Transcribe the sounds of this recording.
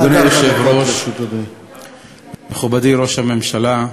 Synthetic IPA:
nilʃevɾoʃu | meχubadiɾo̞ʃhame̞mʃala

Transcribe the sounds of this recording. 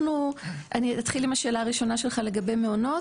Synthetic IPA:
nuʔanitat̪χilimaʃe̞ːlaːʁiʃo̞naʃe̞lχale̞ɡabe̞jme̞ono̞

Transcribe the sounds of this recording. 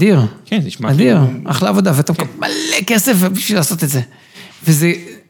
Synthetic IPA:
d̪iʁkɛniʃmaadiʁaχleavo̞d̪aveat̪amkamalekesefbiʃvilaːso̞t̪et̪ze | veze

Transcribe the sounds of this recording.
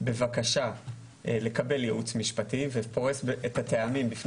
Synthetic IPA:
be̞vakaʃa | le̞kabe̞ljeʔut͡smiʃpativepo̞ʁesbetateamimbifn

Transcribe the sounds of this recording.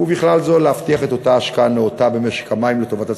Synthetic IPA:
ubiχlalzoleaft̪iaχe̞t̪o̞t̪aːʃkaaleot̪abe̞meʃe̥kamaimleto̞vat̪a

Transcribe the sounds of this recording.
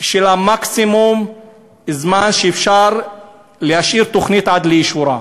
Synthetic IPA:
ʃelamaksimum | zmanʃeefʃaɾˤ | lehaʃiːɾt̪oχnit̪ʕad̪leiʃuɾa

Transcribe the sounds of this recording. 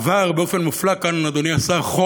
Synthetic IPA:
vaʁbeo̞fe̞nmuflakannad̪oniasaχo

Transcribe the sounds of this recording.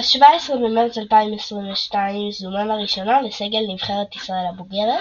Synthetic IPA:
ʃvaesʁimbemelt͡salpaimesʁinveʃtaimsumamaʁiʃo̞naleseɡelnivχeʁet̪isʁaelabuɡeʁe

